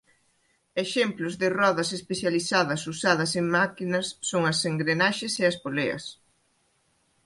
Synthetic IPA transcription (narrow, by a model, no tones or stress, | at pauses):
eʃemplʊzðɪrɔðɐsespeθjaliθaðɐsusað̞ɐseŋmakinɐsːoŋɐseŋɡɾenaʃeseɐspoleɐ̰s